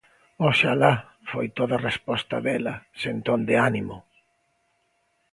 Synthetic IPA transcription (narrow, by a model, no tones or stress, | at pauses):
oʃala | fojt̪oðɐrespɔst̪ɐðɛlɐsent̪ond̪eanimʊ